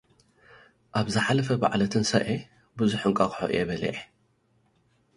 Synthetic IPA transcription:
ʔaβzɨħalɐfɐba̰ʕlɐt̪ʰɨnsɐ̰ʔe | bɨzʊħɨŋkʼakħo̰ʔjɛbɐlḭʕ

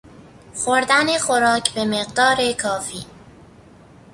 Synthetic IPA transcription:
xoɾd̪ænexoɾɒːkʰbemeɢd̪ɒːɾekʰɒːfḭː

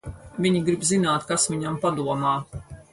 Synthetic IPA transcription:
vʲiɲiɡɾibzinaːt̪kasvʲiɲampad̪uɔmaː

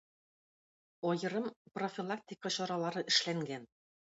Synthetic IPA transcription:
ɒjɤ̆ɾɤmprofʲilˠak̚t̪ʲikəɕɒɾɑlˠɑɾɤʔɘ̆ʃlæŋɡæn

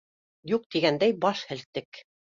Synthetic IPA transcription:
juq̚t̪iɡænd̪æjbɑʃhɘ̆lt̪ːɘk

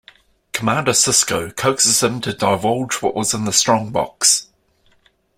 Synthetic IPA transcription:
kʰəmãˑndəsɪskəʊkʰəʊksɪz̥ðə̃mtʰədaɪvɒlˠd͡ʒwɒ̰ʔwɒzɪ̃nðəstɹ̥ɒ̃ŋbɒ̰ks

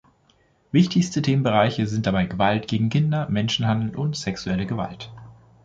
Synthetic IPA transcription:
vɪçtʰɪçstətʰeːmənbəʁaɪçəzɪnt̚d̥abaɪɡəvaltɡ̥eːɡŋ̩kʰɪndɐmɛnʃn̩handl̩ʔʊntz̥ɛksuɛləɡəva̰lt

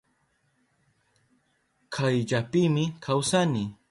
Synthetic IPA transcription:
kʰajʎapiːmɪkʰawsani

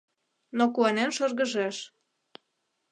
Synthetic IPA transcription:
nokuɑnenʃɤrɣə̆ʒeʃ

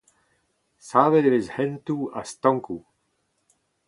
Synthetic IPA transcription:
saːved̪evezhɛnt̪ua̰st̪ɔ̃ŋku

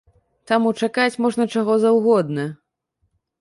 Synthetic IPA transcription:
t̪amut͡ʂakat͡sʲmɔʐnɐt͡ʂaɣɔzɐwɣɔd̪̚nɐ

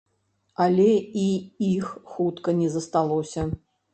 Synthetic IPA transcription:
ɐlʲɛiixxut̪kɐnʲɛzɐst̪alˠɔsʲɐ

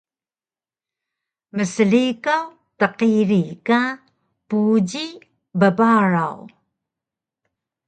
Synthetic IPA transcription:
məsəɮikaw | təqiɾika | puɟi | bəbaɹaw

